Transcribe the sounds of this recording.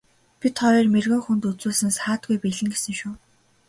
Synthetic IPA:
pʲit̪χɔɾiːrmerɣɘ̆ŋxunt̪ut͡suːɮsɘ̆nsaːt̪̚ɡujpiɮɘ̆ŋɡesɘ̆ŋʃʊː

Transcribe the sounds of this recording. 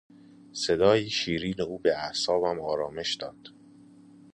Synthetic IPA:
sed̪ɒːjiʃiːɾiːneuːbeæhsɒːbæmɒːɾɒːme̞ʃd̪ɒːd̪̥

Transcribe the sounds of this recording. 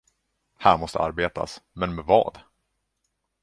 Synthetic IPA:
hæːɾmɔst̪ə̰aɾbeːt̪ʰa̰smɛnmɛvɑ̰ːd̪

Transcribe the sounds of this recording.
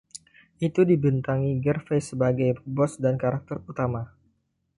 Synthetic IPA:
ʔit̪udibənt̪aŋiɡərfesəbaɡajbɔsdankaɾak̚t̪ɛrut̪ama

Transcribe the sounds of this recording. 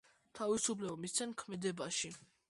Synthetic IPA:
t̪ʰavisupʰlɛbɔmist̪sʰɛnkʰmɛd̪ɛbaʃi

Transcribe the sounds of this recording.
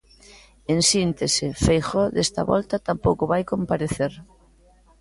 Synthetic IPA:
ensint̪esɪfejxɔðest̪a̰βɔ̰lt̪at̪ampowkʊβajkompaɾeθeɾ

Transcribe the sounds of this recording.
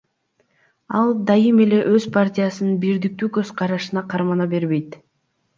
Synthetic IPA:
ɑlˠd̪ɑjɯme̞le̞ʔøzpʰartʲɪjasɯnɯnbiɾd̪ik̚t̪yːkøzqʰɑɾɑʃɯnɑqʰɑɾmɑnɑbe̞ɾβe̞jt̪

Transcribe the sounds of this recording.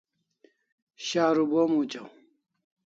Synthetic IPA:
ɕaːɾubomuːt͡ɕɐw

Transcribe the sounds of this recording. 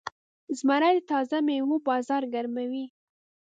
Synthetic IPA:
zmaɾad̪t̪ɑzamewubɑzɑɾɡaɾmawi

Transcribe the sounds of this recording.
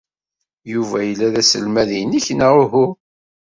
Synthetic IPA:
juvæjəlːæðæsəlmæðijniçnaʁʊɦʊ

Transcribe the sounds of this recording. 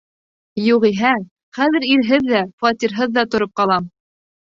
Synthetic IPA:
juʁiɦæ | χæðɘ̆ɾiɾɦɘðːæfɑt̪ʲiɾɦɤðːɑt̪ŏɾop̚qɑlˠɑm

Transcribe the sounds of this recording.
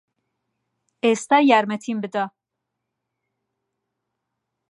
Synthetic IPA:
est̪ɑjaɾmɛt̪ʰimbɨd̪a

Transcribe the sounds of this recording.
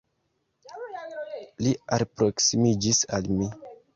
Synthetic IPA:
lialpɾoksimid͡ʒisalmi

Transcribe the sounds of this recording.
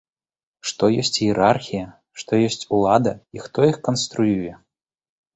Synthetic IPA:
ʂt̪ɔjɔsʲt͡sʲjɛɾʔarxʲijɐ | ʂt̪ɔjɔsʲt͡sʲulˠad̪ɐixt̪ɔixkɐnst̪ɾujujɛ

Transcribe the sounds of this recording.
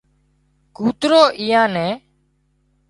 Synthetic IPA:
kuːt̪ɾoːʔiːãːnɛ̃ː

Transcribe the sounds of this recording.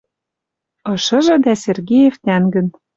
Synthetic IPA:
ɤ̆ʃɤ̆ʒɤ̆d̪æserɡijeft̪ænɡə̆n

